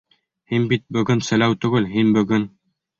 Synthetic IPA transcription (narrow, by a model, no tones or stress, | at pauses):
hinbit̪̚bɵ̆ɡɵnsɘ̆læwt̪ɵ̆ɡɘlɦinbɵ̆ɡɵn